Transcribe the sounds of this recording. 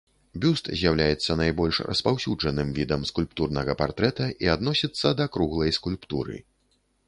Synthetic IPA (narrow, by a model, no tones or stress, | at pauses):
bʲust̪zʲjawlʲajɛt̪sːɐnajbɔlʲʂrɐ̰spawsʲuʐɐnɨmvʲid̪ɐmskulʲpt̪urnɐɣɐpart̪ɾɛt̪ɐʔiad̪nɔsʲit̪sːɐd̪ɐkɾuɣlˠɐjskulʲpt̪uɾɨ̰